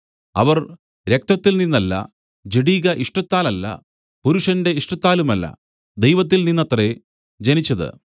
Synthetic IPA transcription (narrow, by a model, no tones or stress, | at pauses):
ɐ̰ʋɐr | ɾek̚t̪ɐt̪ːilninːɐlːɐ̰ | d͡ʑeɽiːɣɐʔiʂʈɐt̪ːaːlɐlːɐ̰ | puɾuʂɐnde̞iʂʈɐt̪ːaːlumɐlːɐ̰ | d̪ejʋɐt̪ːilninːɐt̪re | d͡ʑɐnit͡ɕːɐðɨ̰